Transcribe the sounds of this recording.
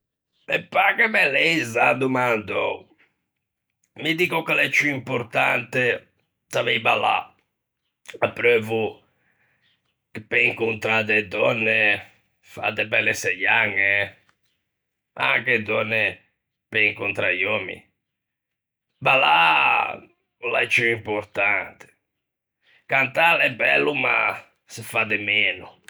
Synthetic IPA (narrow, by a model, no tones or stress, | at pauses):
ɛpːakɛmɛlɛizad̪umand̪ɔ | mid̪ikɔkalɛt͡ʃːuimpoɾt̪ant̪ɛ | t̪avɛjbala̰ | apːɾøːvu | kɛpɛiŋkunt̪ɾad̪ɛd̪ɔnːɛ | fa̰d̪ɛbɛlːɛsɛjaŋːɛ | a̰kɛd̪ɔnːɛ | pɛiŋkunt̪ɾajɔmḭ | bala̰ | ulat͡ʃːuimpɔɾt̪ant̪ɪ̥ | kant̪alɛbɛ̰lːuma | sɪfad̪ɛmɛːnu